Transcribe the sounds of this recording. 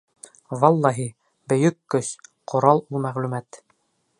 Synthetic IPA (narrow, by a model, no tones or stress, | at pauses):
wɑlˠːɑɦi | bɵ̆jɵkːɵsqʰŏɾɑlˠulˠmæʁlʉmæt̪